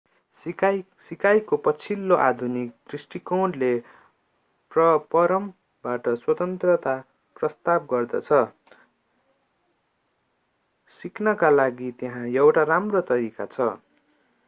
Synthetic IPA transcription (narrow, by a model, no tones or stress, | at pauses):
sikajkopʌt͡sʰilːoʔa̰d̪ʱunik̚t̪risʈikoɖle | prʌpʌɾʌm | baʈʌswʌt̪ʌnt̪rʌt̪a | prʌst̪ab̚ɡʌrd̪ʌ̰t͡sʰʌ | siknʌkalaɡit̪eɦãjʌwʈaramrot̪ʌɾika̰t͡sʰʌ